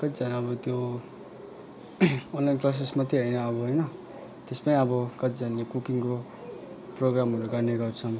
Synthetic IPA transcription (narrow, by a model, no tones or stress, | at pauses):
kʌt̪d͡zanʌbʌt̪jo | onlajnklas̬esmat̪iɦʌjnʌːβʌɦʌjnʌ | t̪espaiʌbʌkʌt̪d͡zanjokukiŋko | proɡramɦʌɾuɡʌrneɡʌrt͡sʰʌm